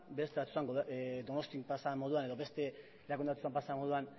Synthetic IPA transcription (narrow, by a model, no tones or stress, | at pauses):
be̞st̪e̞βat̪usuaŋɡod̪o̞no̞st̪iŋpasamo̞ð̞uane̞ðo̞βe̞st̪e̞ | ɾakund̪at̪usampasamo̞ðuan